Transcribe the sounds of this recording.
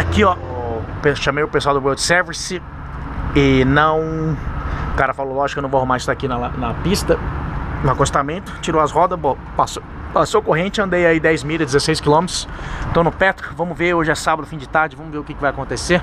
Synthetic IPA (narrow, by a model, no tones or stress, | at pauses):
akiɔpeʃɐ̃mejʊpeswawd̪ʊbɛɾd͡ʒsɛɾvisɪ | ɪnɐ̃w̃ | kaɾɐfalolɔʒɪkenɐ̃voaɦũmaɾɪst̪akinɐnɐpist̪ɐnʊakost̪amẽnt̪ʊ̥t͡ʃiɾowɐzhɔd̪ɐsbo | paso | pasowkoɦẽt͡ʃɪɐ̃nd̪ejaid̪ɛjzmilɐd͡ʒɪzesejskilõmet̪ɾʊ̥st̪õnʊpɛt̪ɾʊvɐ̃mʊveɾoʒɪɛsabɐd̪ʊfĩd͡ʒɪt̪aɾd͡ʒɪvɐ̃mʊzveɾʊkɪkɪvajakõnt̪eseɾ